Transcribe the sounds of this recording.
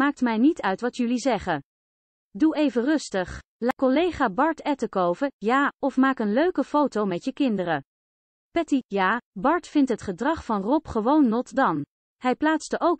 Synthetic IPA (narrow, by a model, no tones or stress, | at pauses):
maːk̚tmɛjnitœɥtʋɑtjʏlizɛχə | duejvərɵstəχ | lakɔlejχaːbɑɹtɛtəkowvəjaːɔfmaːkənløɥkəfowtowmɛtjəkɪndərə | pɛtijaːbɑɹtfɪntɦətχədrɑχfɑnrɔpχəʋownːɔtdɑn | hɛjplaːtstəʔowk